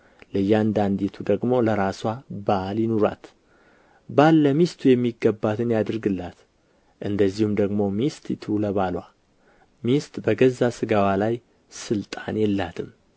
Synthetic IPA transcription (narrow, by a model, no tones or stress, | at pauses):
ləjːand̪and̪it̪ʰud̪əɡmo̞ləɾaswabaljɪnoɾa̰t̪ | balːəmist̪ʰujɛmːiɡːəbːat̪ʰɨnjad̪ɨɾɡɨlːat̪ | ʔɨnd̪əzːihumd̪əɡmo̞mist̪ʼt̪ʰləβalwa̰ | mist̪ʼbəɡəzːasɨɡawalaj | sɨlt̪ʼa̰njɛlːat̪ʰɨm